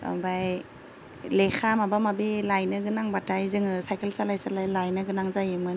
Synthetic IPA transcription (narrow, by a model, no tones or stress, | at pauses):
ɔ̰baj | lexʰamabamabelajnɯɡɯnaŋbatajzɯŋɯsajkelsalajsalajlajnɯɡɯnaŋzajɯmɯn